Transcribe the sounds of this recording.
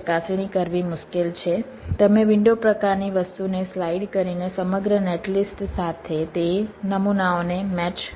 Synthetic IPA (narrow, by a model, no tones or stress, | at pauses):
kasɽ̃ikəɾʋimʊʃkelt͡ʃʰe | t̪əmẽʋɪɳɖopɾəkaɾniʋəst̪uneslaiɖkəɾinesəməɡɾəneʈlisʈsat̪ʰet̪enəmunaonemɛt͡ʃ